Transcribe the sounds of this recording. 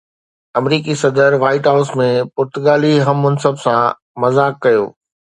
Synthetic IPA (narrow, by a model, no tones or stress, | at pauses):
ɐmɾiːkisɐd̪əɾʋaːɪʈɦaʊsmẽpʊɾt̪ʊɡaːliɦɐmːɐnsəbsã | mɐzaːkːɐjo̰ː